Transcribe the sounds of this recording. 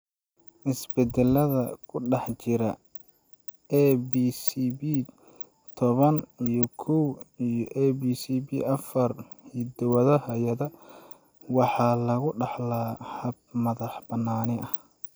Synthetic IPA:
ʔɪsbɛd̪ɛlɐðɐkʰʊɖɑħt͡ʃɪɾɐ | ɛbiːsibi | t̪ʰɔβɐnijɔkʰɔwijɔʔɛbiːsibḭʔɐfɐr | hid̪ɐwɐðɐhɐjɐðɐ | wɑħɑːlɐɣʊɖɑħlaːhɐb̚mɐðɑħbɐnːaːnɪʔɐh

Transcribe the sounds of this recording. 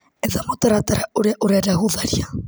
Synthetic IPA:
ɛðamot̪aɾat̪aɾauɾeʔuɾaɾaɦuðaɾia

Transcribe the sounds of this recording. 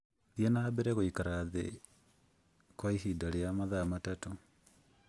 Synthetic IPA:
ðjenaːbeɾeɣoikaɾaðḛ | kwaihidaljamaðamatato

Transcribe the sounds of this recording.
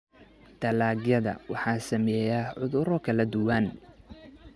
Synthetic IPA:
d̪̥ɐlaːɡjɐðɐ̰wɑħɑːsɐmɛːjaːʕʊðʊɾɔkʰɐlɐd̪ʊwɐn

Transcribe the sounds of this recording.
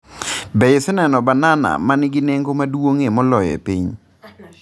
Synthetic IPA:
bɛɪsɛnɛnɔbanana̰manɪɡɪneŋɡomadwoŋemɔlɔjɛ̰pḭɲ

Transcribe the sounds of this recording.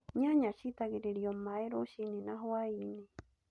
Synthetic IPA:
ɲaɲat͡ʃit̪akeɾeɾiomaeɾoʃininaɦoaini

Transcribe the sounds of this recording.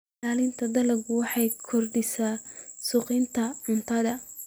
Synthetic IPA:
aːlɪnt̪ʰɐd̪ɐlɐɡwɑħɑjkʰɔrdɪsaːsʊqɪnt̪ʰɐʕʊnt̪ʰɐðɐ

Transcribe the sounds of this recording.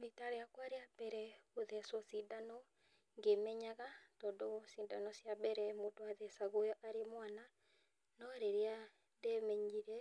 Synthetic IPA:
bitaɾeakwaɾeabɛɾɛoðɛsɔsidanɔ | ŋɡemɛɲaɣatɔdosidanɔsjabɛɾɛmodoaðɛsaɣojɔʔaɾemwana | nɔɾeɾea | dɛmɛɲd͡ʒiɾɛ

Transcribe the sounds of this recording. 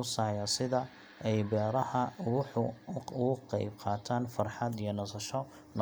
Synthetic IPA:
ʊsaʕjɐsɪðɐ | ɛjbɛːɾɐhɐʊ | ʊɣʊqɛ̰jbqɑːt̪ʰaːnfɑrħɑd̪ijɔnɐsɐʃɔ | n

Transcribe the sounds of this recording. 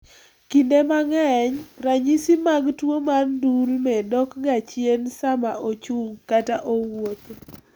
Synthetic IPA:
kindemaŋɛɲraɲisimaɡtwomandulmɛdɔkɡat͡ʃjensamaʔot͡ʃuŋkataʔowot̪

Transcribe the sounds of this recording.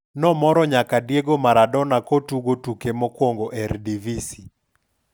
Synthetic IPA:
nɔmɔɾɔɲakadjeɡomaɾadɔnakotuɡotukemɔkwoŋɡoʔɛɾdivisi

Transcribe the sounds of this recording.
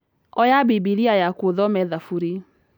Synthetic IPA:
ɔjabibiɾiajakwoðɔmɛðafuɾe

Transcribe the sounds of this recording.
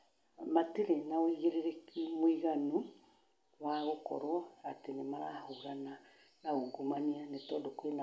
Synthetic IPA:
mateɾenaoiɣeɾeɾekemoiɣanu | waɣokɔ̰ɾɔatenemaɾahoɾana | naoɡomanianetɔːdokwena

